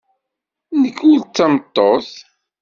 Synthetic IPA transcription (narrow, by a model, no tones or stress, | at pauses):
nəkːult͡sːæmət̪ˤːoθ